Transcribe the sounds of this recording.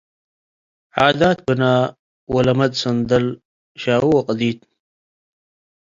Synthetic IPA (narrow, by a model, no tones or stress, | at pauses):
ʕaːd̪aːt̪̚bənaː | wɐlɐmɐd̪sɐnd̪ɐl | ɕaːwuwɐqəd̪iːt̪̚